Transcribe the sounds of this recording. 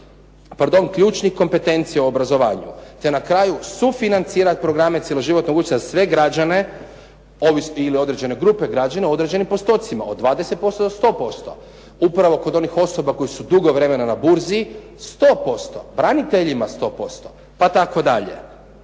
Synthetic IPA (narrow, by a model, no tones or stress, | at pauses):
paɾd̪o̞ŋkʎuːt͡ʃnixko̞mpe̞t̪e̞nt̪sijauobɾazo̞ʋaːɲṵt̪e̞nakɾaːjusufinant̪siːɾat̪̚pɾoɡɾamet̪jeloʒiʋo̞t̪noɡut͡ʃ̪eazasʋe̞ɡɾad͡ʒane̞ | oʋisilio̞d̪ɾed͡ʑe̞ne̞ɡɾupeɡɾad͡ʒaneod̪ɾed͡ʒe̞nimpo̞st̪o̞t̪sima̰o̞d̪ʋaːd̪ese̞t̪̚po̞st̪od̪ost̪o̞ːpo̞st̪o̞̰ | upɾaʋo̞ko̞d̪o̞nixo̞so̞bako̞jisud̪uɡo̞ʋɾe̞me̞nanabuɾzi | st̪o̞ːpo̞st̪o̞bɾanit̪e̞ʎimast̪o̞ːpo̞st̪o̞ | pat̪ako̞d̪aʎḛ